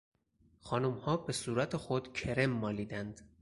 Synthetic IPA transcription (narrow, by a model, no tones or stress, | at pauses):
xɒːnumhɒːbe̞suːɾæt̪ʰe̞xo̞d̪̥cʰe̞ɾe̞mːɒːliːd̪ænd̪̥